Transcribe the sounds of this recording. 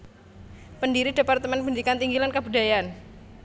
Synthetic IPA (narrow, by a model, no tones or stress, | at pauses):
pəndiɾidepart̪əmɛnbəndikant̪iŋɡilankəbudajaan